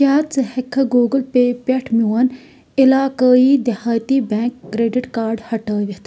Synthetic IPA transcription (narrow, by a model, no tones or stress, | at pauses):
aːt̪t͡səhekʰːɐɡoːɡəlpeːpeʈʰmʲuwɐn | ɪlaːkəiːd̪ihaːjt̪iːbẽːŋkːɾeːɖiʈkaːɾɖhɐʈəːʋʲit̪ʰ